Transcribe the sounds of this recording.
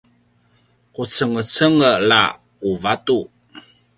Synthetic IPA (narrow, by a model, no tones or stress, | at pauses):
kut͡səŋət͡səŋəla̰ | uvatu